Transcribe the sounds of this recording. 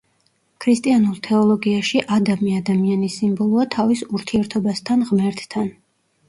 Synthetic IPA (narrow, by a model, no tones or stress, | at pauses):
kʰɾist̪ʼianulˠt̪ʰɛɔlˠɔɡiaʃiʔad̪amiad̪amianisimbɔlˠuat̪ʰavisuɾt̪ʰiɛɾt̪ʰɔbast̪ʰanʁmɛɾt̪ʰt̪ʰan